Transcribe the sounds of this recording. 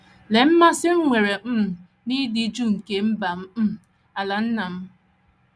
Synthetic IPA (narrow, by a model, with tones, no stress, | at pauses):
le˨m̩˦ma˦sɪ˦ŋ̩˦ŋʷe˨ɾe˨m̩˦˨ | ni˦di˨˦d͡ʒu˦ŋ̩˨ke˦m̩˦ba˨m̩˦˨ | a˨la˨n̩˦na˨m̩˦